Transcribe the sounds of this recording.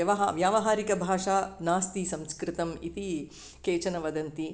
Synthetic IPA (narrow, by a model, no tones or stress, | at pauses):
ɐʋɐɦaʋjaːʋɐɦaːɾikɐbʱaːʂaːnaːst̪isɐmskɾɪt̪ɐmḭt̪i | keːt͡ʃɐnɐʋɐd̪ɐnt̪i